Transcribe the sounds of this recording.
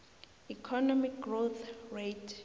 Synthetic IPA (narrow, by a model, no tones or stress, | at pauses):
ikʰɔnɔmik̚ɡroθretʰ